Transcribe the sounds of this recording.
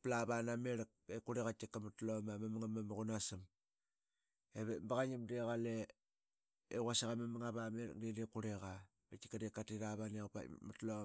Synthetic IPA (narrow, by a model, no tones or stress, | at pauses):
plaβanameɾk̚ekuɾeɣatikːamatlomamamaŋamamɣunasim | eβembaɣaɲimdeɣale | eɣwasaɣamamaŋaβameɾ̰k̚didekuɾeɣa | metikadekatiɾaβaniaupa̰matlo